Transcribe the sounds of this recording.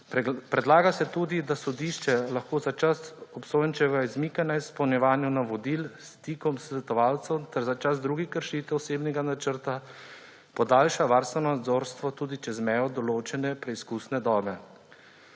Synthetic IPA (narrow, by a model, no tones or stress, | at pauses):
pɾɛd̪laːɡasɛt̪uːd̪id̪asɔd̪iːʃt͡ʃɛlaxkoːzat͡ʃasɔpsoːjnt͡ʃɛɡaizmiːkanaispɔwnjɛʋaːnjunaʋɔd̪ilst̪ikɔmsʋɛt̪ɔʋaːlt̪sɛwt̪ɛɾzat͡ʃazd̪ɾuːɡixkəɾʃiːt̪ɛɔseːbnɛɡanat͡ʃəɾt̪a | pɔd̪aːlʃaʋaːɾst̪ʋɛnɔnad̪zoːɾst̪ʋɔt̪uːd̪it͡ʃɛzmɛjɔd̪ɔloːt͡ʃɛnɛpɾɛiskuːsnɛd̪ɔːbɛ